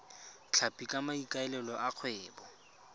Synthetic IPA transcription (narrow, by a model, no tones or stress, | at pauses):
t͡ɬʰapʼikʼamaikʼaɛlɛlɔʔaq͡χʰwɛːbɔ